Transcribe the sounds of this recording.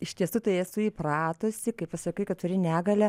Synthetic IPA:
ɪʃʲt̪ʲiɛsuːt̪ɐɪesʊiːprɑːt̪oːsʲɪkɐɪppɐsɐkɐɪkɐt̪̚t̪ʊɾʲɪnʲæːɡɐlʲɛ

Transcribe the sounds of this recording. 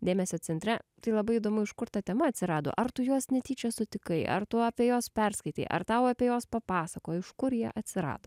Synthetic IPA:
d̪ʲeːmʲɛsʲoːsʲɛnt̪ʲɾʲɛt̪ɐɪlˠɐbɐɪid̪oːmʊɪʃkʊɾt̪ɐt̪ʲɛmɐɐt̪ʲsʲɪɾɑːd̪o̰ʔɐɾt̪ʊjuɔsnʲɛt̪ʲiːt͡ʃʲɛsʊt̪ʲɪkɐɪʔɐ̰ɾt̪ʊɐpʲiɛjoːspʲɛɾskɐɪt̪ʲɐ̰ɪʔɐ̰ɾt̪ɐʊɐpʲeɛjoːspɐpɑːsɐkoːɪʃkʊɾjiɛʔɐt̪ʲsʲɪɾɑ̰ːd̪oː

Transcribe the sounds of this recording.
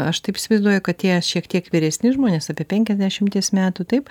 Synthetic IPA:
ɐʃt̪ɐɪpɪsʲɪʋɐɪzd̪uɔjʊkɐt̪̚t̪ʲiɛʃʲiɛkt̪ʲiɛkʋʲɪɾʲɛsʲnʲɪʒmoːnʲeːsɑːpʲiɛpʲɛŋʲkʲɛzʲd̪ʲæʃʲɪmt̪ʲiɛsmʲæːt̪uːt̪ɐɪp

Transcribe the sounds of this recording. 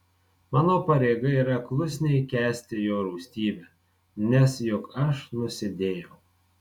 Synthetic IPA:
mɑːnoːpɐɾʲeːɡɐiːɾɐklˠʊsʲnʲɛɪkʲæːsʲt̪ʲɪjoːɾɔʊsʲt̪ʲiːbʲɛ | nʲɛsjʊkɐʃnʊsʲɪd̪ʲeːjɛʊ

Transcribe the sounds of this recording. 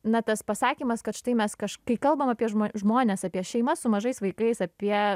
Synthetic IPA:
nɐt̪ɐspɐsɑːkʲiːmɐskɐt̪ʃt̪ɐɪmʲɛskɐʃkɐɪkɐlˠbɐmɐpʲiɛʒʒmoːnʲeːsɐpʲiɛʃʲɛɪmɐsʊmɐʒɐɪsʋɐɪkɐɪsɐpʲiɛ

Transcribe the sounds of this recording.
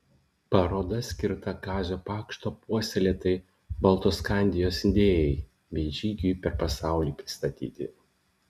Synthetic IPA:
pɐɾoːd̪ɐsʲkʲɪɾt̪ɐɡɑːzʲoːpɑːkʃt̪oːpuɔsʲeɛlʲeːt̪ɐɪ | bɐlˠt̪oskɑˑnʲd̪ʲɪjoːsɪnʲd̪ʲeːjɛɪ | bʲɛɪʒʲiːɡʲujpʲɛɾpɐsɑˑʊlʲiːpʲɾʲɪst̪ɐt̪ʲḭːt̪ʲɪ̰

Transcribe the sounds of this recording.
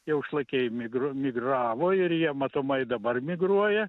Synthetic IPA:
jɛʊʃlˠɐkʲeɪmʲɪɡɾomʲɪɡrɑːʋoːɪɾjiɛmɐt̪oːmɐɪd̪ɐbɐrmʲɪɡruɔjɛ

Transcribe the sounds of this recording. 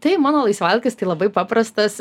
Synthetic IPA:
t̪ɐɪmɑːnoːlˠɐɪsʲʋɐlʲkʲɪst̪ɐɪlˠɐbɐɪpɑːpɾɐst̪ɐs

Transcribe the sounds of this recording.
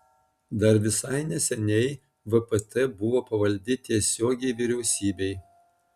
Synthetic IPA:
d̪ɐɾʋʲɪsɐɪnʲɛsʲɛnʲɛɪ | ʋɨpɛt̪ɛbʊʋoːpɐʋɐlʲd̪ʲɪt̪ʲiɛsʲoːɡʲɛɪʋʲiɾʲɛʊsʲiːbʲɛɪ

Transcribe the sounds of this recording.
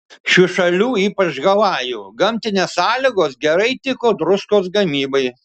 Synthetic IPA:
ʃʲuʃɐlʲuːiːpɐt͡ʃɡɐlˠɑːjuːɡɐmʲt̪ʲɪnʲeːssɑːlʲɪɡoːsɡʲɛɾɐɪt̪ʲɪkoːd̪ɾʊskoːsɡɐmʲiːbɐɪ

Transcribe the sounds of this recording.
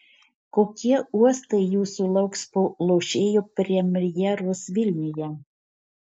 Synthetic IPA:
koːkʲiɛuɔst̪ɐɪjuːsuːlˠɐʊkspolˠoːʃʲeːjoːpʲɾʲiɛɛmʲɾʲjɛɾʊsʋʲɪlʲnʲʊjɛ

